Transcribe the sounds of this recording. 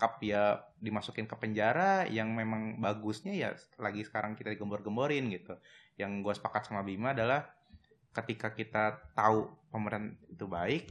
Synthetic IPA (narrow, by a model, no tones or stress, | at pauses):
kapijadimasukɪnkəpəɲd͡ʒaɾajaŋmemaŋbaɡʊsɲaja̰laɡisə̥kaɾaŋkit̪adiɡəmbɔrɡəmboɾɪnɡit̪ujaŋɡuasə̥pakat̪samabimaːdalah | kət̪ikakit̪at̪aupəməɾɪnt̪̚it̪ubaɪk̚